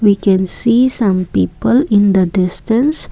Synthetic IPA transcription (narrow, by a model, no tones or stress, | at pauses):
wikɛ̃nssisãmpiːpəlɪ̃nd̪ədɪstə̃ns